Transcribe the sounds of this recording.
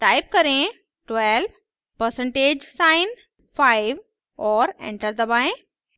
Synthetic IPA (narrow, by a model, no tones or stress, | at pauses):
ʈaːɪp̚kɐɾẽ | ʈʋɛlʋ | pəɾsə̃ɳʈeːd͡ʒsaːɪn | faɪʋ | ɔːɾḛ̃ːɳʈəɾd̪ɐbaːẽ